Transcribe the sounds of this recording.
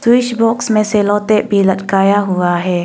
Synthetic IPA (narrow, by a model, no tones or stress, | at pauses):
swɪʃbɔːksmẽseːlɔ̃ːt̪eʔbʱiləʈkaːjaɦʊaɦɛː